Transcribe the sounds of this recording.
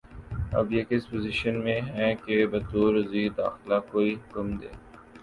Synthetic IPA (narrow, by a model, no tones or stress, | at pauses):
ɐ̰bjekɪspozɪʃənmẽɦɛ̃kebɐt̪uːɾziːd̪a̰ːxlakoːiɦʊkəmd̪ḛː